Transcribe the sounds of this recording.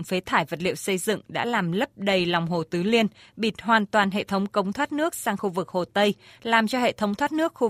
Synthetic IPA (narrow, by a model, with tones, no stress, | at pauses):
ŋfe˨˦t̪ʰaː˧˩jvə˨˩t̚lḭ˧˨əwsə˧jzɨ̰˧˨ŋɗa̰ː˧˥laː˨˩mlə˦˥p̚ɗə˧jlɔ˨˩wŋ͡mɦo˨˩t̪ɨ˨˦li˧ənɓi˧˩t̚ɦwaː˨˩nt̪waː˨˩nɦḛ˧˨t̪ʰə˨˦wŋ͡mkə˨˦wŋ͡mt̪ʰwaː˦˥t̚nɨ˦˥ək̚saː˧ŋxu˧vɨ˨˩k̚ho˨˩t̪ə˧jlaː˨˩mt͡ɕɔ˧hḛ˧˨t̪ʰə˨˦wŋ͡mt̪ʰwaː˦˥t̚nɨ˦˥ək̚xu˧